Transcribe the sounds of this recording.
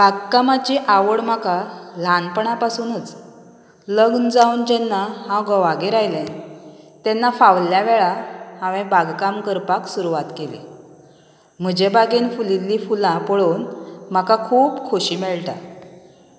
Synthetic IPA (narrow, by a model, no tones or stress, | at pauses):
baɡkamat͡ɕiʔaʋəɽm̤akalanpəɳapasuːnət͡s | ləɡnd͡zaund͡ʑɛnːahãwɡəʋaɡeɾajlɛ̃ | t̪ɛnːafaʋljaʋɛɭahãʋẽbaɡkamkəɾpaksuɾuʋat̪kelḭ | m̤əd͡ʑebaɡinfulilːifulãpəɭoːnm̤akakʰuːbkʰoɕiːmɛɭʈa̰